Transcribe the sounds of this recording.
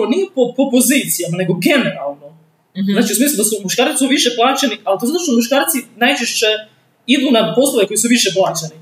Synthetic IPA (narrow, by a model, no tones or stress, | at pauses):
onipopopo̞ziːt̪sijamane̞ɡo̞ɡe̞neɾa̰lˠno | zznaːt͡ʃiusmiːslud̪asumuʃkaːɾitsuʋiʃeplˠaːt͡ɕenialt̪ozat̪oʃt̪muʃkaːɾt̪sinajt͡ʃeʃt͡ɕe | id̪unad̪po̞slˠoʋeko̞jisuʋiʃeplˠaːt͡ɕeni